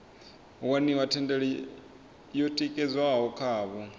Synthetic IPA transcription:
waniwatʰɛndɛɺɛ | jɔtʼikʼɛd͡zwaɦɦɔkʰaːβɔ

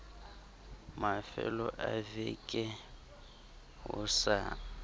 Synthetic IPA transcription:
mafɛlɔʔavɪkʼɛ | ɦʊsa

